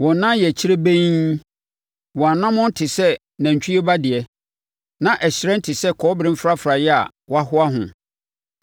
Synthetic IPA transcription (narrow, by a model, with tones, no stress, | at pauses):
wɔ̃˨˦nã˦jɛ˨t͡ɕʰi˦ɾe˦bẽ˦ | wɔ̃˨a˨nã˦mʊ̃˦n̩˦tʰɪ˨sɛ˦ | nã˨ɲ˨t͡ɕʰᶣi˦e˦ba˦dɪ˨ɛ˦ | nã˨ʔɛ˨ɕɪ˨ɾɛ̃˦n̩˦tʰɪ˨sɛ˦kʰɔː˦bɾɪ̃˦m̩˦fɾa˦fɾa˨jɛ˦a̰˨ | wa˦ɦʊ˦a˦ɦʊ̰̃˨